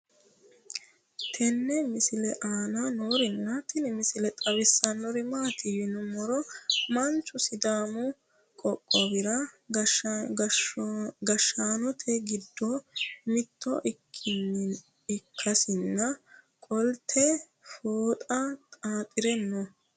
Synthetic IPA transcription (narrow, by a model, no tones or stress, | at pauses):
t̪ʰɛnːɛmɪsɪlɛʔaːnɐnoːɾɪnːɐt̪ɛnɛmɪsɪlɛt̪ʼɐwɪsːɐnːɔɾɪmaːt̪ɪjɪnʊmɔɾɔmɐnt͡ʃːʊsɪd̪aːmʊ | kʼɔkʼːɔbɪɾɐ | ɡɐʃːaːnɔt̪ʰɛɡɪd̪ːɔmɪt̪ːɔ̰ʔɪkʰːɪnːɪn | ɪkʰːɐsɪnːɐ | kʼɔlt̪ʰɛ | foːt̪ʼɐt̪ʼaːt̪ʼɪɾɛnːɔ